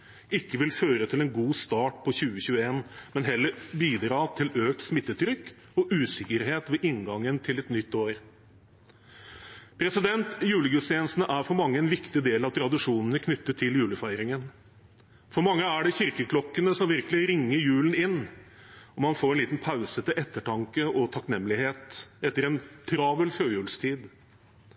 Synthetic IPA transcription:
ɪkːəʋɪlføːɾət̪ʰɪlɛnɡuːst̪ɑːʈpʰɔçʉːəɕʉːəeːnmɛnɦɛlːəɾbiːd̪ɾɑːt̪ʰɪløːk̚t̪smɪt̪ːət̪ʰɾʏkː | ɔʔʉːsɪkːəɾɦeːt̪ʋeːʔɪnɡɑŋːənt̪ʰɪlɛt̪nʏt̪ːoːɾ | pʰɾɛsɪd̪ɛnt̪jʉːləɡʉst̪jɛnsn̩əʔæɾfɔɾmɑŋːəɛnʋɪkt̪ɪd̪eːlɑʋt̪ʰɾɑd̪ɪʂuːnənəkʰnʏt̪ːət̪ʰːɪljʉːləfæɪɾɪŋən | fɔɾmɑŋːəæɖɛçɪɾkəkʰlɔkːənəsɔmʋɪɾkəlɪɾɪŋːəɾjʉːlən̩ɪnː | ɔmɑnfoːɾɛniːt̪n̩pʰaʉsət̪ɪʔɛt̪ːəʈʰɑŋkəʔɔt̪ʰɑknɛmːəlɪheːt̪ɛt̪ːəɾɛnt̪ʰɾɑːʋəlføːjʉːlst̪ʰiːd̪

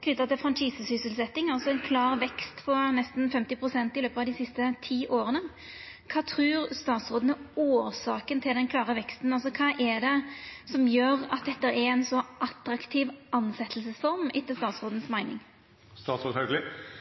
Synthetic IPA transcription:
kʰnʏt̪ːɑt̪ʰɪlfʁɑnʃiːsəsʏsəlsɛt̪ːɪŋɑlsɔɛɪnkʰlɑːʁʋɛkst̪pʰɔnɛst̪n̩fɛmt̪ɪpʰɾʊsɛnt̪ɪløːpəɑʋd̪ɪsɪst̪ət̪ʰiːʔoːɾənə | kʰɑːt̪ʰɾʉːɾst̪ɑːt̪sʁoːd̪nəoːɾsɑːkənt̪ʰɪld̪ɛnkʰlɑːʁəʋɛkst̪n̩ɑlsɔkʰɑːʔɛd̪ɛsɔmjøːɾɑt̪̚d̪ɛt̪ːəɾɛɛnsɔʔɑt̪ɾɑkt̪ʰiːʋʔɑnsɛt̪ʰəlsəsfɔɾmɪt̪ʰːəlst̪ɑːt̪sʁoːd̪n̩smæɪnɪ̰ŋ | st̪ɑːt̪sɾoːd̪hœɡlɪ

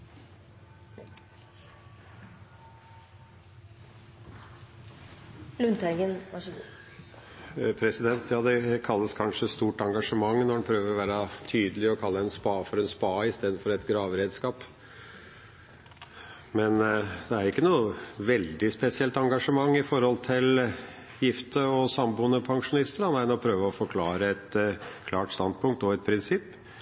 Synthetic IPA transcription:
lʉnt̪æɡən | pʰɾɛsɪd̪ɛnt̪jɑːd̪ɛkʰɑlːəskʰɑnʂəst̪uːʈɑŋɡɑʂəmɑŋːnɔɾɖɛnpʰɾøːʋəɾɔʋæːɾɑt̪ʰyːd̪əlɪɔkʰɑlːəɛnspɑːfɔɾɛnspɑːɪst̪eːd̪n̩fɔɾɛt̪ɡɾɑːʋɾeːd̪skɑːp | mɛnd̪ɛæɾɪkːənuːəʋɛld̪ɪspɛsɪɛlt̪ɑŋɡɑʂəmɑŋːɪfɔɾhɔlt̪ʰɪl | jɪft̪əɔsɑmbuːənəpʰɑŋʂʊnɪst̪əɾɑnæɪnɔpʰɾøːʋəɔfɔɾkʰlɑːɾəɛt̪kʰlɑːʈst̪ɑnd̪pʰʊŋk̚t̪ɔɛt̪̚pʰɾɪnsɪpː

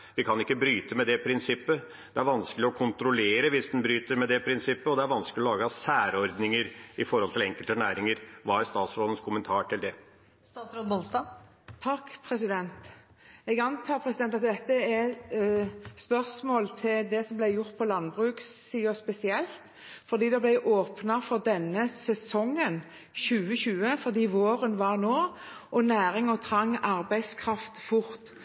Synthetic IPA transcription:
ʋɪkʰɑnɪkːəbɾyːt̪əmɛd̪ɛpʰɾɪnsɪpːə | d̪ɛæɾʋɑnskəlɪɔkʰʊnt̪ɾʊleːɾəʋɪsd̪ɛnbɾyːt̪əɾmɛd̪ɛpʰɾɪnsɪpːəɔd̪ɛæɾʋɑnsklɪɔlɑːɡəɑsæːɾɔɾd̪nɪŋəɾɪfɔɾhɔlt̪ʰɪlɛŋkəlt̪ənæːɾɪŋəɾʋɑːæɾst̪ɑːt̪sɾoːd̪ən̩skʰʊmənt̪ʰɑːʈʰɪld̪ɛ | st̪ɑsɾoːd̪bɔlsd̪ɑː | t̪ʰɑkːpʰɾɛsɪd̪ɛnt̪ | ɛɡɑnt̪ʰɑːpʰɾɛsɪd̪ɛnt̪ɑt̪̚d̪ɛt̪ːəɛ | spœʁsmoːlt̪ʰɪld̪ɛsɔmblæɪjʊʁt̪̚pʰɔlɑnbʁʉːkssiːɔspɛsɪɛlt̪ | fɔʁd̪iːd̪ɛblæɪʔoːpnəfɔʁd̪ɛnːəsɛsɔŋːən | çʉːəɕʉːəfɔʁd̪iːʋoːɾənʋɑʁnoː | ʔɔnæːɾɪŋɔt̪ʰɾɑŋːɑɾbæɪskʰɾɑft̪fʊɾt̪

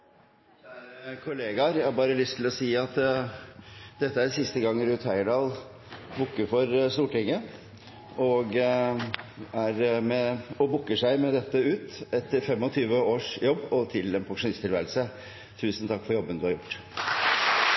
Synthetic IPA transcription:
kʰʊleːɡɑɾjæhɑɾbɑːɾəlʏst̪ʰːɪlɔsiːɑt̪ | d̪ɛt̪ːəæɾsɪst̪əɡɑŋːɾʉːt̪hœɪɖɑːl | bʊkːəɾfɔɾst̪uːʈɪŋːə | ɔɡ | æɾmɛɔbʊkːəʂæɪmɛd̪ɛt̪ːəʉːt̪ɛt̪fɛmːɔt̪ʰyːʋəoːʂjɔbːɔt̪ʰɪlɛnpʰɑŋʂʊnɪst̪ʰɪlʋæ̰ːɾlsə | t̪ʰʉːsn̩t̪ʰɑkːfɔɾjɔbːənd̪ʉhɑɾjʊʈː

